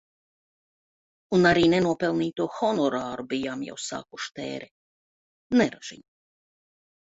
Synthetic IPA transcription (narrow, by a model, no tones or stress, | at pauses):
unaɾiːnenuɔpɛlˠniːt̪uɔxɔnɔɾaːɾubijaːmja̰wsa̰ːkuʃt̪ḛːɾɛ | nɛɾaʒ̥ḭɲ